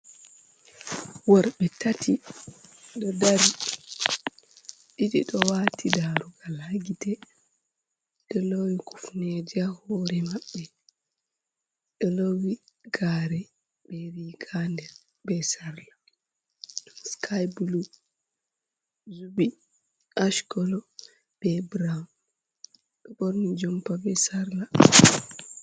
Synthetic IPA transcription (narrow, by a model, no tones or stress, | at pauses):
waɾɓɛtatʰi | ɗɔdaɾi | ɗiɗḭɗɔwaːtʰidaɾuɡalhaɡitɛ | ɗɔlowiku̥fned͡ʒahoːɾɛmaɓːɛ | ɗɔlowi | ɡaɾɛ | bɛɾiɡandɛ | bɛsaɾla | skʰajblu | zubi | aʃkɔlɔ | b̥ɛbɾan | ɓɛbɔɾnid͡ʒɔmpabɛsaɾla